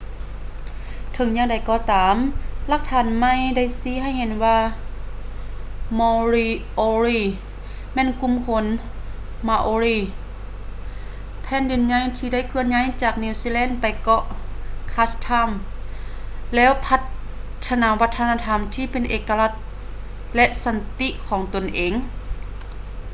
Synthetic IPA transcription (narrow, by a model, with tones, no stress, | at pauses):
t̪ʰɤ˨˦ŋɲaː˧˨ŋda˨˩˦jkɔː˧˩t̪aː˨˦mla˧k̚t̪ʰaː˨˦nma˧˨jda˧˥˨jsiː˧˦ɦa˧˥˨jhe˨˦nwaː˧ | mɔː˧ɾi˧ʔoː˧ɾiː˧˩ | mɛː˧˥˨nku˧˨mkʰo˧˦n | ma˧ʔoː˧˦ɾiː˧˩ | pʰɛː˧˥˨ndi˨˩˦nɲa˧˥jt̪ʰiː˧da˥˩˨jkʰɯ˧˨ənɲa˧˥˨jt͡ɕaː˨˩k̚niː˧˩wsiː˧˥˨lɛː˧˥˨npa˨jkɔ˧ʔkʰaː˧st̪ʰa˧˥˨m | lɛː˦˧˥wpʰa˧˥t̪ʰː | a˧naː˨˦wa˧˥t̪ʰːa˧naː˧t̪ʰa˧˥mt̪ʰiː˧˩pe˨nʔeː˨˩kːa˧la˧˩t̪̚ | lɛ˧ʔsa˧˦nt̪i˧˥ʔkʰɔː˨˦ŋt̪o˨nʔeː˨˦ŋ